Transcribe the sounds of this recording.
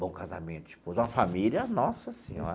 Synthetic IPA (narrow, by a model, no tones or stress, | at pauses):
bõkaza̰mẽnt̪ʊ̥d͡ʒi̥pozũmɐfamilʲɐnɔsɐsĩɲɔ̰